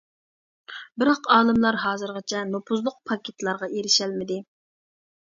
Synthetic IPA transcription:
bɪɾɑqɑːlˠɨmlˠɑɾɦɑːzɨɾʁɑt͡ʃʰɛnopʰuzlˠʊq̚pʰɑkʲʰet̪lˠɑɾʁɑʔeɾɪʃælmɪd̪ɪ

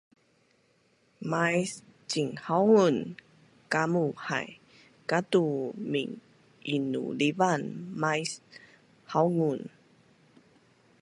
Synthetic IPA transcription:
majst͡ɕiŋhawŋun | kamuha̰j | kat̪umḭŋ | ʔinṵlivanmajs | hawŋun

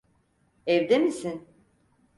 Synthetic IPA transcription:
ɛvd̪emisin

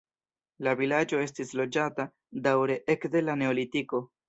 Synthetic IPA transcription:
lavilad͡ʒo̞e̞s̬tislo̞d͡ʒata | dawɾe̞ʔe̞kde̞lane̞olitiko̞

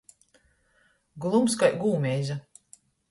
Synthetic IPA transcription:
ɡlˠumskajɡuːmʲɛjza

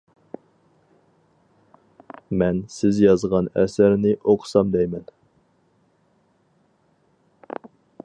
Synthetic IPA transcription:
mɛnsɪzjɑzʁɑnɛ̰sæɾnɪʔoqʰsɑmd̪ɛjmɛn

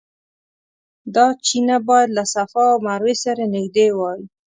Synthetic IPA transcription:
d̪ɑt͡ʃinabɑjad̪lasafɑawmaɾwesaɾanɪɡd̪ewɑwi

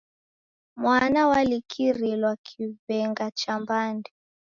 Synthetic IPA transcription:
mwanawalikʰiɾilwakʰivɛŋɡat͡ʃambandi

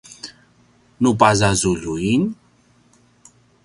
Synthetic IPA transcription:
nupazazuɮuin

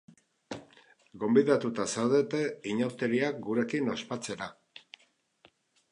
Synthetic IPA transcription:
ɡo̞mbiðat̪ut̪asewðet̪e̞iɲawt̪e̞ɾiak̚ɡuɾe̞kino̞spat͡se̞ɾa

